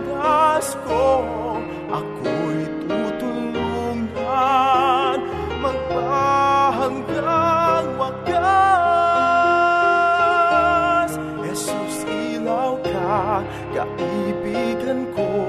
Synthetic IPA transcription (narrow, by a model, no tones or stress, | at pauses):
ɡasko | ʔa̰kuit̪ut̪uluŋa | n | məŋbaɦəŋɡanwaɡa | s | jɛsusi | lawka | ɡa̰ʔibidənko